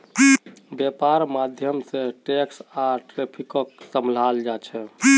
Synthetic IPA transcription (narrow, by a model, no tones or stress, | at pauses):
bjepaɾmad̪ʱjəmsẽʈeksaʈɾepʰikəksəml̤ald͡ʒat͡ʃʰɛ